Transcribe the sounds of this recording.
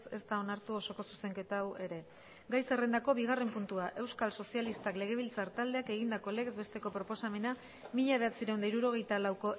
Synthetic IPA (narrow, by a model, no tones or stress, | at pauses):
se̞st̪ao̞naɾt̪uo̞so̞ko̞su̥se̞ŋke̞t̪awe̞ɾe̞ | ɡajse̞re̞nd̪ako̞βiɣ̞are̞mpunt̪uaʔe̞wskalso̞sialist̪akle̞ɣ̞e̞β̞ilt͡saɾt̪ald̪e̞ake̞ɣ̞ind̪ako̞le̞ɣzbe̞st̪e̞ko̞pɾo̞po̞same̞na | miʎaβ̞e̞at͡siɾe̞wnd̪aiɾuɾo̞ɣ̞e̞jt̪alawko̞